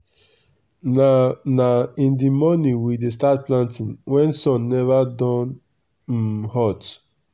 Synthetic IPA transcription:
anaĩndimɔnĩnwides̬tat̚plãntĩnwɛ̃nsɔ̃nːɛvadɔ̃n | hɔt

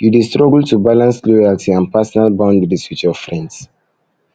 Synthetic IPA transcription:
judistɹɔɡəltubalãnslojaltʰiãnpɛsɔnalbãʊ̃ndɹisit͡ʃɔfɹɛ̃nds

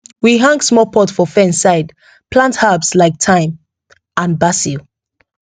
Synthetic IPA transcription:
wiɦãŋɡsmɔpʰɔtfɔfɛ̃nsaɪd | pʰlãnthabslaɪk̚tʰãɪ̃m | ãnbasil

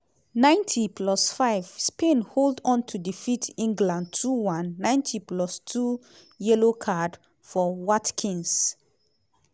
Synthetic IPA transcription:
nãɪ̃ntʰipʰlɔsfaɪv̥spẽnholdɔ̃ntʰudifitʰĩŋɡlãnd̚tʰuwãnːãɪ̃ntʰiplɔstʰu | jɛlokʰad | fɔwatkʰĩns

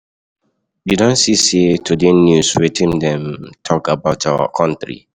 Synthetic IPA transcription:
judõnsisetʰudenjuswetʰĩndɛ̃mtʰɔkabaʊta̰kʰɔ̃ntɹḭ

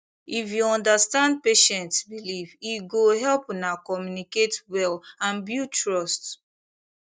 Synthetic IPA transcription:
ifjuɔ̃ndastãnd̚peʃɛ̃ntsbiliviɡoɦɛlpnakɔmjuniketwɛlãnbjutɹɔst

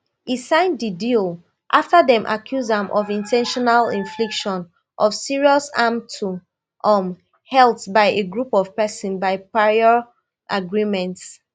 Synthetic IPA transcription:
isãɪ̃ndidil | ʔaftaðɛ̃mʔa̰kʰjuzãmʔɔvĩntʰɛ̃nʃɔnalḭ̃ɱflikʃɔ̃n | ʔɔvsiɹiɔsãmtʰu | ʔɔm | hɛlˠtbaɪeɡɹupɔv̥pɛsɔ̃nbaɪpaiɔ | ʔaɡɹimɛ̃nts

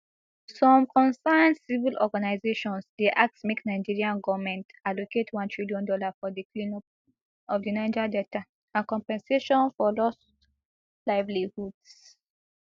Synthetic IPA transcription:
sɔ̃mkʰɔ̃nsãnsivilʔɔɡanaɪzeʃɔ̃nsdeʔak̚tmeknaɪd͡ʒiɹiãnɡɔvmɛ̃ntaloketʰwãntʰɹiljɔ̃ndɔlafɔdikin | ɔvdinaɪd͡ʒadɛta | ãnkɔ̃mpɛ̃nseʃɔ̃nfɔlɔs | laɪvlihuds

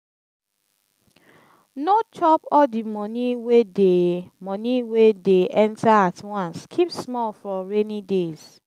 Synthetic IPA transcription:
not͡ʃʰɔpɔdimɔ̃niwedemɔ̃niwedeʔɛ̃ntaatwãnskʰipsmɔlfɹɔ̃ɹenidez

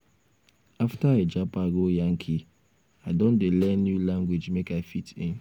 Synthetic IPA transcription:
aftaed͡ʒapaɡojaŋ̩kʰi | aɪdon̩dɪlɛnjulãŋɡʷwed͡ʒmekaɪfitɪ̃n

